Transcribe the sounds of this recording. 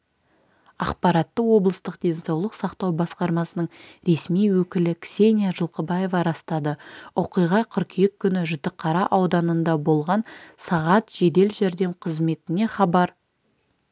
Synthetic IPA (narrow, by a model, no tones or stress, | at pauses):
ɑ̰qpɑɾɑt̪ːəwo̞blˠəst̪əq̚d̪e̞nsɑwlˠəqsɑqt̪ɑwbɑsqɑɾmɑsənəɴɾe̞smijwɵkʲɪlɪkʲsʲe̞nʲjaʒəlˠqəbɑje̞vɑɾɑst̪ɑd̪əoqijʁɑqʰʏɾkʲʰijekʲʰːʏnɪʒʊt̪ːəqʰːɑɾɑʔɑwd̪ɑnənd̪ɑbo̞lˠʁɑnsɑʁɑt̪ʒ̥e̞d̪e̞lʒæɾd̪e̞mqʰəzme̞t̪ɪne̞χɑbɑɾ